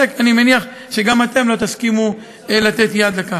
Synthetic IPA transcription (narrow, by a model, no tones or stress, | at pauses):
ekanimeniaχ | ʃeɡamat̪e̞mlo̞t̪askimu | elat̪e̞t̪jad̪laka